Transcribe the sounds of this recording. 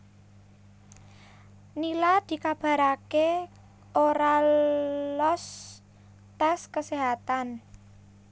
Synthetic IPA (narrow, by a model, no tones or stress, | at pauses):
nilad̪̥i̤kab̥a̤ɾake | oɾa | lɔs | t̪askəseɦat̪an